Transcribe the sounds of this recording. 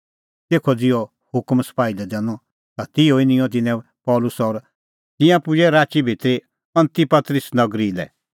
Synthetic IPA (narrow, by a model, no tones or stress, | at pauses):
t̪eːkʰɔd͡zɪɔ | hʊkmspaːilɛd̪ɛːñɔ | t̪at̪ɪoɪnɪ̃jɔ̃t̪̬ɪnɛ̃ | pɔːlʊsɔɾ | t̪ɪ̃jãpʊd͡ʒɛɾaːt͡ʃibʱɪt̪ɾi | ɐ̃nt̪ipɐt̪ɾɪsnɐɡɾilɛ̰